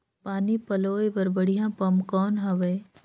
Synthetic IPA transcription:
paːnipɐloːebɐɾbəɽijãːpɐmkɔːnɦɐʋeː

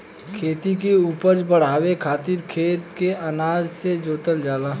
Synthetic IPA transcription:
kʰeːt̪ik̬euːpəɾd͡ʒbəɽ̤aːwekʰaːt̪ɪɾkʰeːt̪keʔɐnaːd͡ʒsed͡ʒoːt̪əld͡ʒaːlaː

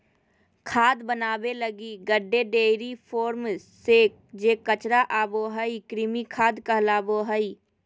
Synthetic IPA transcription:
kʰaːd̪bənaːbeləɡiɡəɖːeɖeːɾipʰoːɾm | seːkd͡ʒeːkət͡ʃɾaʔaːboɦəikɾɪmikʰaːd̪kəɦlaːboɦəi

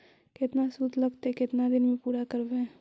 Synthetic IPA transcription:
kɪt̪nasuːt̪lɐɡt̪ekɪt̪nad̪ɪnmẽpuːɾakɐɾbẽ

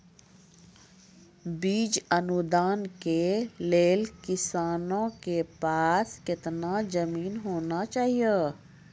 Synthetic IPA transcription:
biːd͡ʒɐnud̪aːnkeleːlkɪsaːnõkepaːskɪt̪nad͡ʒɐmiːnɦoːnat͡ʃaːɦije

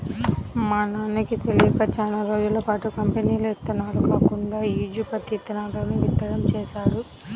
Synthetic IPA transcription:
mɐːnaːnikit̪elijɐkɐt͡ʃaːnaɾo̞ːd͡ʒulɐpaːʈukɐmpeniːluɛt̪ːɐnːaːɾukaːkuɳɖaːiːd͡ʒupɐt̪it̪ːɐnaloːnuʋit̪ːɐɽɐmt͡ʃɛːʃaːɽu

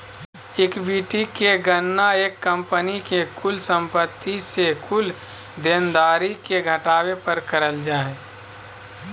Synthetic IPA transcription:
ɪkbiːʈikeɡənːaeːkːə̃mpənikekʰʊlsə̃mpət̪ːisekʰʊl | d̪eːnd̪aːɾikeɡʱəʈaːwepəɾkəɾəld͡ʒaːe

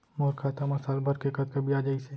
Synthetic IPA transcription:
moːɾkʰaːt̪amɐsaːlbɐɾkekɐt̪̚kɐbiaːd͡ʒaːise

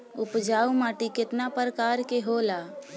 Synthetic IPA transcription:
ʊpd͡ʒaːumaːʈikɪt̪napəɾkaːɾkeɦola

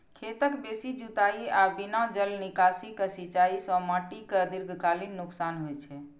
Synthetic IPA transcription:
kʰet̪əkbesid͡ʒut̪aiabinãd͡ʒəlnikasikəsit͡ʃaisə̃maʈikəd̪iɾɡʱkalinːuksanɦojt͡ʃʰɛ

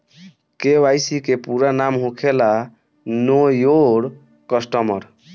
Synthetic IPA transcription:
keʋajsikepuɾanamɦũkʰela | nojoɽ | kəsʈəməɾ

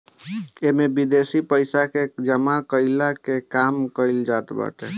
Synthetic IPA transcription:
emebid̪esipəjsaked͡ʒəmakəɪlakekamkəld͡ʒat̪bə̰ʈḛ

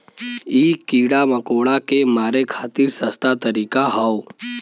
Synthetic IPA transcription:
iːkiːɽamɐkoːɽakemaːɾekʰaːt̪iɾsɐst̪ʰat̪əɾiːkaɦao

